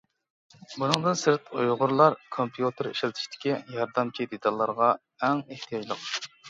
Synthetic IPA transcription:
bunɨŋd̪ɨnsɨɾt̪ṵjʁʊɾlˠɑɾkʰompʰjut̪ʰɨɾḭʃlt̪ʰɪ̥ʃt̪ʰɪ̥kʲijɑɾd̪ɑmt͡ʃʰid̪et̪ʰɑlˠːɑɾʁɑ | ɛŋeht̪ʰijɑd͡ʒlˠəq

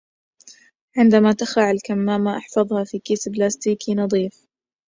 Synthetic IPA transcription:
ʕɪnd̪amat̪axaʕalkamːaːmaʔɑħfɑðˤhɑfiːkiːsblaːst̪iːkinɑd̪ˤiːf

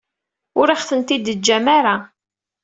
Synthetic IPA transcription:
ʊɾiχθənt̪id̪əd͡ʒːæmaɾa

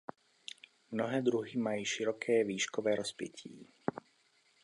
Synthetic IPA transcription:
mnɔɦɛːd̪ɾuɦimajiʃiɾɔkʰɛːʋiːʃkɔʋɛːɾɔspɪɛ̰cʰḭː

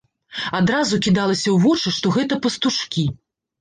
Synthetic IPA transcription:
ad̪ɾazukʲid̪alˠɐsʲɐwvɔt͡ʂɨʂt̪ɔɣɛt̪ɐpɐst̪uʂkʲi

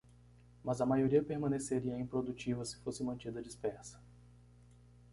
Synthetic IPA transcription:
mɐzɐmajoɾiɐpeɾmɐ̃neseɾiɐeĩpɾod̪ut͡ʃivɐsɪ̥fosɪmɐ̃nt͡ʃid̪ɐd͡ʒispɛɾsɐ̥

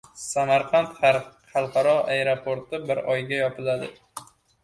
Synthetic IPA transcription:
samaɾqʰant̪χaɾχɑlˠqʰɑɾɒaeɾopʰoɾt̪ɪbɪɾɒjɡʲajɒpʰɪlad̪ɪ

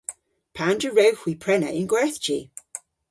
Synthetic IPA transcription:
pʰandɹəɹɛwhw̥iːpʰɹɛnə̰ʔɪnɡwɛθd͡ʒiː

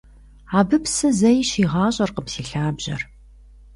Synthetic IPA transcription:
aːbɨpsɨzɐjɕiːʁɑːɕʼɐrqəpsiːɬaːbʑɐr

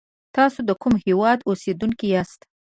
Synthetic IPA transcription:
t̪ɑsod̪əkumhewɑd̪osed̪uŋkiɑst̪

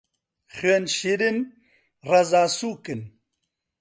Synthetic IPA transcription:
χenɕiɾin | rɐzaːsuːkin

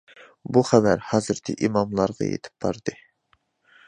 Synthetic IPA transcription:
buχævæɾhɑːzɨɾt̪ʰɪ̰ʔimɑmlˠɑɾʁɑ̰jḛt̪ʰɪ̥p̚b̥ɑɾd̪ɨ

